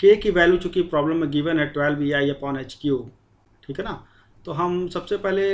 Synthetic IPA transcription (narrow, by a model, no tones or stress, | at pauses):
keːkiʋɛːljut͡ʃukipɾɔːbləmːeɡiʋənɛʈʋɛːlbiaːijapɔːnet͡ʃkijoː | ʈʰiːkɦɛna | t̪oːɦɐmsɐbsepɛɦle